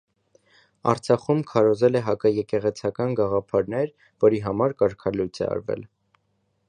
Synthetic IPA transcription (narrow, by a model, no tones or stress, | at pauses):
ɑ̰ɾt͡sʰɑχumkʰɑɾɔzɛlɛɦɑkɑjɛkɛʁɛt͡sʰɑkɑnɡɑʁɑpʰɑɾnɛɾ | vɔɾiɦɑmɑɾkɑɾkʰɑlujt͡sʰɛ̰ɑ̰ɾvɛ̰l